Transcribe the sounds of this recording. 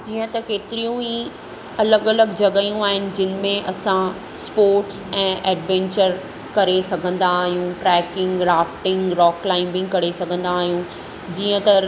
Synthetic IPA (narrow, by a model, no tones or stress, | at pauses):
d͡ʑiːə̃t̪ɐkeːt̪ɪɾijũi | ɐləɡɐləɡd͡ʑɐɡaijũaːɦɪnɪ̆d͡ʑɪn̆mẽʔɐsã | spoːɾʈsɛ̃ːʔɛːɖʋɛ̃ːɲt͡ɕəɾ | kɐɾesɐɡʱə̃nd̪aːɦijũʈɾɛːkɪ̃ŋɡɾaːfʈɪ̃ŋɡɾɔːklaːɪ̃mbɪ̃kɐɾesɐɡʱə̃nd̪aːɦijũ | d͡ʑiːə̃t̪ɐ